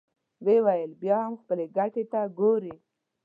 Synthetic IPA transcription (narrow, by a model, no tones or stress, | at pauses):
wewajəlbjɑhamxpəleɡaʈet̪aɡoɾe